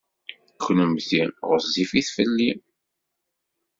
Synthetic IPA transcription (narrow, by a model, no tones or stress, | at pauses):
xnumθiʁəzifiθfəlːim